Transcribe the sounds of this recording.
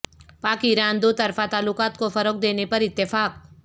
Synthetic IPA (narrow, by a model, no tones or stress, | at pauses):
paːkiɾaːnd̪oːt̪ɐɾfat̪aːlːʊkaːt̪kofɐɾək̚d̪eːnepɐɾɪt̪ːɪfaːk̚